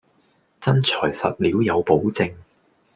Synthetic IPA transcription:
t͡sɐ˥nt͡ʃʰɔː˨˩jsɐ̰˨t̚liː˨˥wjɐ˨˧wpo˨˥wt͡sɪ˧ŋ

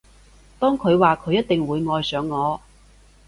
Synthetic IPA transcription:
t̪ɔː˥ŋkʰɵ˨˧ɥwaː˨kʰɵ˨˧ɥjɐ˥t̪̚ɪ˨ŋwuː˨˧jŋɔː˨jsœː˨˧˥ŋːɔː˨˧

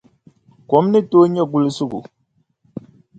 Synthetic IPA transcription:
kwɔ˨˦mni˦to˦ɲɛ˦ɡu˦˨li˦su˦ɡṵ˨

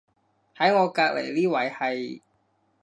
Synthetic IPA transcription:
hɐ˨˥jŋɔː˨˧kaː˧k̚lḛ˨˩jliː˥wɐ˨˥jhɐ˨j

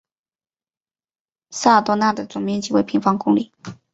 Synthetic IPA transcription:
sa˥˩˨t̪wɔ˥na˥˩d̪ə˩˨t͡sʊ˨˩ŋmjɛ˥nt͡ɕi˥we˥˩ɪpʰi˧˥ŋfɑ˧˥ŋkʊ˥ŋli˨˩˦

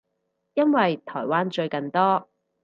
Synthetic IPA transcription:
jɐ˥nwɐ˨jt̪ʰɔː˨˩jwaː˥nt͡ʃɵ˧ɥkɐ˨˧nt̪ɔː˥

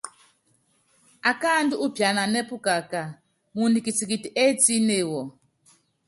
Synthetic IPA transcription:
a˨ka˦ndu˦ʔu˦bʱja˨na˨nɛ˦pu˦ka˨ka˨ | mu˨ndi˨ki˨t͡si˨ki˨ti˨ʔɛ˦t͡si˦ne˨wɔ˨

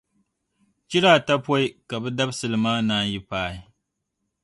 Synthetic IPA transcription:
t͡ʃi˦ɾaː˦˨ta˦pɔ˦i˦ka˨bɛ˦da˦bsɨ˨lɨ˨maː˦naː˦nji˦paː˦˨ɪ˦

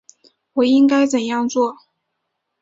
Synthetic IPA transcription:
wɔ˨˩i˥ŋka˥ɪt͡sə˨˩njɑ˥˧ŋt͡swɔ˥˩

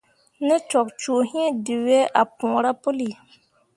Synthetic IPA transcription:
nĩ˦t͡ʃɔ˨k̚t͡ʃu˨hĩ˦di˨we˦ʔa˨pũ˨ɾa˦po˦li˨

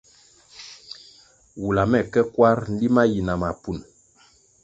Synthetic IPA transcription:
wu˨la˨mɛ˨kɛ˦kwa˦ɾn̩˦li˦ma˦ji˨na˨ma˨pu˨n

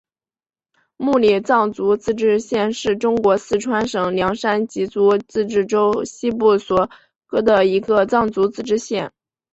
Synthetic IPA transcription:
mu˥˧li˨˩t͡sɑ˥˩ŋt͡su˧˥t͡sɹ̩˥˧ʈ͡ʂɻ̩˥˧ɕjɛ˥˧nʂɻ̩˥˩ʈ͡ʂʊ˥ŋkwɔ˧˥sɹ̩˥˩ʈ͡ʂʰwa˥nʂɤ˨˩ŋljɑ˧˥ŋʂa˥nt͡ɕi˧˥t͡su˧˥t͡sɹ̩˥˧ʈ͡ʂɻ̩˥˩ʈ͡ʂo˥ʊɕi˥p̬u˥˩swɔ˨˩ | kɤ˥d̪ə˨i˧˥ɡə˧t͡sɑ˥˩ŋt͡su˧˥t͡sɹ̩˥˧ʈ͡ʂɻ̩˥ɕjɛ˥˩n

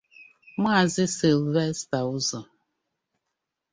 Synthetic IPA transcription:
ma˦˨zɪ˦sɪ˨lwɛ˦sta˨u˦zɔ˨

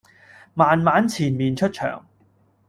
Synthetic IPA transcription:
maː˨nmaː˨˥nt͡sʰiː˨˩nmiː˨nt͡ʃʰɵ˥t̚t͡ʃʰœ̰ː˨˩ŋ

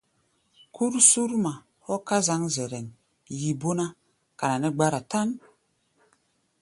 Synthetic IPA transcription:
kʰu˦ɾsu˦ɾma˨ | hɔ˦ka˦za˨˦ŋzɛ˨ɾɛ˨ŋ | ji˨bo˦na˦ | ka˨na˨nɛ˦ɡ͡ba˦ɾa˨ta˦n

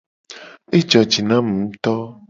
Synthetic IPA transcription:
e˦d͡ʒɔ˨d͡ʒi˨nã˦m̩˨˦t̪ɔ˦

